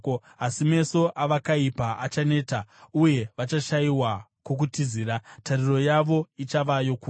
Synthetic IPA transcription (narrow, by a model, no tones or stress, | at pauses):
asime̞so̞ʔaʋakaipaʔat͡ʃane̞ːtauje̞ʋat͡ʃaʃaiwakok̬utiziːɾatariro̞jaʋo̞it͡ʃaʋajo̞ku